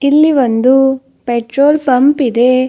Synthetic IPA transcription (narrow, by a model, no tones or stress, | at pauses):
ilːiʋond̪u | peʈɾoːlpɐmpid̪e